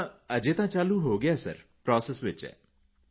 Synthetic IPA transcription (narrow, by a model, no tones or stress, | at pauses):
əd͡ʒet̪ãt͡ʃaːluɦoːɡɪjasə̰ɾpɾɔːsesʋɪt͡ʃɛ̰ː